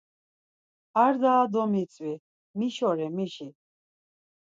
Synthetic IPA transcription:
aɾd̪aːd̪ɔmit͡sʼwi | miʃɔɾɛmiʃi

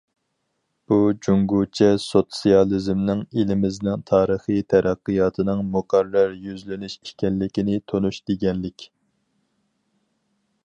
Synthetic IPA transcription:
b̥ud͡ʒuŋɡut͡ʃʰɛsot̪sijɑlˠɨzmnɪŋilɪmɪznɪŋt̪ʰɑːɾəχit̪ʰɛɾʔæqːɨjɑːt̪ʰɨnɨŋmʊqɑɾːɑɾjyzlɪnyʃi̥ʃkʲɛnlɪkʲinɪt̪ʰonuʃd̪̥eɡʲɛnlɪkʲ

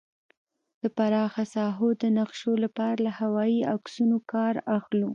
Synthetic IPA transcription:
d̪̥əpaɾɑxasɑɦod̪ənaqʃolapɑɾalahawɑiaksunokɑɾaxlu

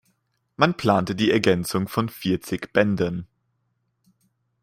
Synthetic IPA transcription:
manpl̥aːntədiːɛɐɡɛnt͡sʊŋfɔnfiːɐt͡sɪçb̥ɛndən

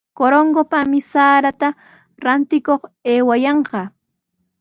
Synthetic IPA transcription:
koɾoŋɡopamɪsaːɾat̪a | ɾant̪ɪkoχeːwajɑɴqɑ

